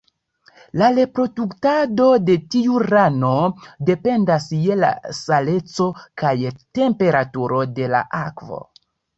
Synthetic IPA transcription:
laɾe̞pɾo̞duktado̞de̞tiuɾano̞de̞pe̞ndasje̞la̰sale̞t͡so̞kajte̞mpe̞ɾatuɾo̞de̞la̰ʔakvo̞̰

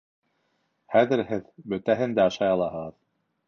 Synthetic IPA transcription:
χæðɘ̆ɾhɘðbɵ̆t̪æɦɘnd̪æɑʃɑjɑlˠɑɦɤ̆ʁɤð

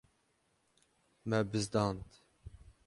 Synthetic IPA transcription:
mɛbɨzd̪ɑːnt̪

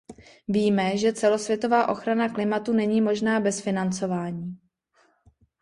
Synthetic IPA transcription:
viːmɛʒɛt͡sɛlo̞svjɛt̪o̞vaːʔo̞xɾanaklɪmat̪unɛɲiːmo̞ʒnaːbɛsfɪnant͡so̞vaːɲiː

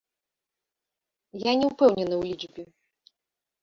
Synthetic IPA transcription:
janʲɛupɛwnʲɛnɨwlʲid͡ʐbʲi

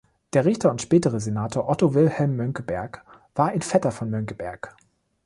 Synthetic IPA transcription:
d̥eːɐʁɪçtɐʊntʃpɛːtəʁəzenaːtʰoːɐʔɔtovɪlhɛlmːœŋkəbɛɐk | v̥aːɐʔɪnfɛtɐfɔnmœŋkəbɛɐk

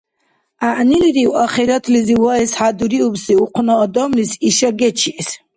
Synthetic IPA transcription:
aʔniliɾiwaχɛɾat̪ʰliziwaɛsħad̪uɾiubsiuqʰnaːd̪ɔmlisiʃaɡɛt͡ʃʰis

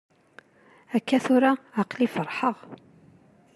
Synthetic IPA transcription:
ækːæθʊɾaʕaqlifəɾˤħəʁ

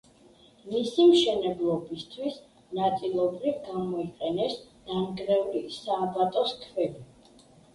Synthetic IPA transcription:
misimʃɛnɛblˠɔbist̪ʰwis | nat̪sʼilˠɔbɾivɡamɔiqʼɛnɛsd̪̥amɡɾɛvlisaːbat̪ʼɔskʰvɛbi

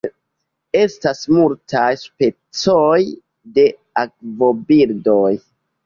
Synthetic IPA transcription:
e̞stasmultʰajspe̞ | t͡soj | de̞ | ak̚vo̞biɾdoj

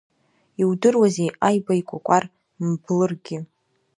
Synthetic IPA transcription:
iwdɨrwazejajbajkʷʼakʷʼar | mblɨrɡʲɪ

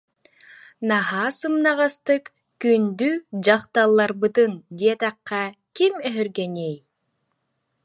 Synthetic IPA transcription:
naɦaːsɯmnaʁast̪ɯk | kynd̪yd͡ʑaqt̪alˠːaɾbɯt̪ɯnd̪iɛt̪aqːɑ | kimœɦœɾɡɛniːj

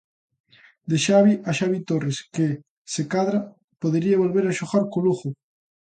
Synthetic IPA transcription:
d̪eʃaβiʔaʃaβit̪oreske | sekaðɾa | poðeɾiaβolβeɾaʃoɣaɾkoluɣo

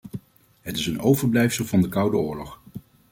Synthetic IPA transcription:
ɦətɪsənowvəɹblɛjfsəlˠvɑndəkɑwdəʊːɹlɔχ

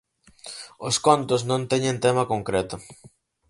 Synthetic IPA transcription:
ʊskont̪ʊsnõnt̪ɛɲẽnt̪emɐkoŋkɾet̪ʊ

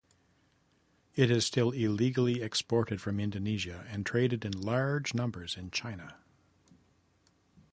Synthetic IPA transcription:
ɪɾɨz̥stɪlˠɪliɡl̩ˠiɛkspɔɹɾɨd̥fɹʌ̃mɪ̃ndɨniʒɨɨ̃ntʰɹ̥eɪɾɨɾɨ̃nlɑɹd͡ʒnʌ̃mbə˞zɨ̃nt͡ʃʰãɪ̃nə

